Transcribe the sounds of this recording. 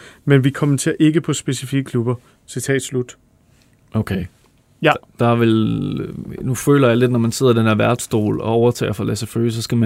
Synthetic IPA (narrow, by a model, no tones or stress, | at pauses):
menʋikʰɒ̽mənt͡sʰe̝ɐʔe̝ɡ̥əpʰɒ̽sb̥e̝sifiɡ̥əkʰlub̥ɐ | sit͡sʰɛ̰ːd̥slud̥ | ʔoʊkʰeɪ | d̥ɑ̈ʋel | nufø̰ːlɐjɑ̈ɪled̥nɒmænse̝ð̞̰ˠɐd̥enheɐʋæɐd̥sd̥o̝̰ːlɒ̽ɒʊɐt͡sʰɛ̰ːɐfɑlæsæføsɒ̽sɡ̥æmæ